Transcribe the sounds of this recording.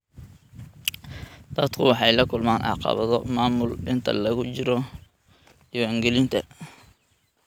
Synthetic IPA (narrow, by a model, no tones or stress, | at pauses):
d̪̥ɐt̪kʰʊwɑħɑjlɐkʰʊlmaːnʔɑ̰qɑ̰βɐðɔmaːmʊlɪnt̪ʰɐ̰lɐɣʊt͡ʃɪɾɔ | ɪwaːŋɡɛlɪnt̪ʰɐ